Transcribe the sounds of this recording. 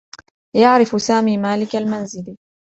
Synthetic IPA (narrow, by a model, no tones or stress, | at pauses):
jaʕɾɪfsaːmiːmaːlɪkalmanzɪl